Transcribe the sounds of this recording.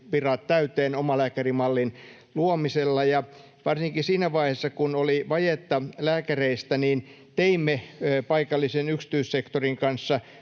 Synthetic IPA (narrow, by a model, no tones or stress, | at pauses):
ʋirɑt̪t̪æyt̪eːnomɑlæːkærimɑlːin | luomiselːɑjɑ | ʋɑrsiŋkisiːnæʋɑihesːɑkunoliʋɑjet̪ːɑlæːkæreist̪æniːn | t̪eimːepɑikɑlːisenyksi̥t̪yissekt̪oriŋkɑnsːɑ